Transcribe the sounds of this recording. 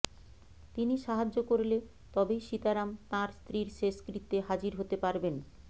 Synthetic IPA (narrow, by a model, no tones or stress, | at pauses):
t̪iniʃaɦad͡ʑːokoɾle | t̪ɔbejʃit̪aɾamt̪ãɾst̪ɾiɾʃeʃkɾit̪ːeɦad͡ʑiɾɦot̪epaɾben